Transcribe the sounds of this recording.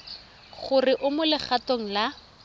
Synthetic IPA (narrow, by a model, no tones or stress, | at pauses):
χʊrɪʔʊmʊlɪχatoŋ̩la